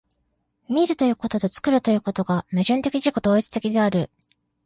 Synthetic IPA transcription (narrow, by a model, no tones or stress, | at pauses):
mʲiɾɨt̪o̞jɯ̟ːko̞t̪o̞t̪o̞t͡sɨ̥kɯ̟ɾɯ̟t̪o̞jɯ̟ːko̞t̪o̞ɡaneʑɨ̃nt̪e̞kʲiʑiko̞t̪o̞ːit͡sɨ̥t̪e̞kʲid̪e̞aɾɯ̟